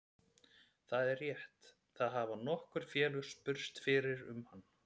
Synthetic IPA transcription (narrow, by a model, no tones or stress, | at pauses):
θaðɛrjɛht̪ | θaðɦavanɔhkʏɾ̥fjɛːlʏ̥spʏɾ̥st̪fɪːɾɪɾʏ̰mhanː